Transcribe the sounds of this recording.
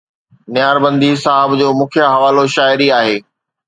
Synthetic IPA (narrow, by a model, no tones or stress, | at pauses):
nɪjaːɾbɐ̃nd̪isaːɦɪbd͡ʑoːmʊ̃ːkʰjaɦɐʋaːloʃaːɪɾiaːɦeː